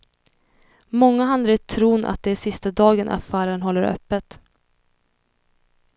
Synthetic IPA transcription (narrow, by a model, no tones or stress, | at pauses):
mɔŋːaɦand̪aɾɛt̪ʰːɾuːnʔa̰t̪̚d̪ɛæʂɪst̪ad̪ɑːɡənʔa̰fæːɾənɦɔlːəɾœ̰pːət̪